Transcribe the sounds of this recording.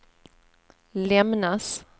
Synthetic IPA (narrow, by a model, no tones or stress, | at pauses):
lɛmnas